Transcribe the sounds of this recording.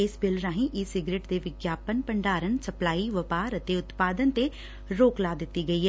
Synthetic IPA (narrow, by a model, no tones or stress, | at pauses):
ɪsbɪlɾãːɦĩʔɪsɪɡɾeːʈd̪eːʋɪɡjaːpənpəɳɖaːɾənsəplaːiʋəpaːɾət̪eʊt̪paːd̪ənt̪e | ɾoːklaːd̪ɪt̪ːiɡɐiːɦɛ